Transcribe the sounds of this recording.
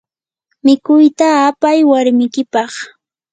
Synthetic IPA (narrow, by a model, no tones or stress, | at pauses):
mɪkʊjt̪aːpajwaɾmɪkɪpɑχ